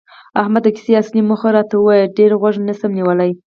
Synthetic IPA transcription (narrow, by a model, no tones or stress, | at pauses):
ahmad̪əkɪ̥seasnimʊxaɾɑt̪awəwɑjəlɖeɾɣwaʐnasamniwəlaj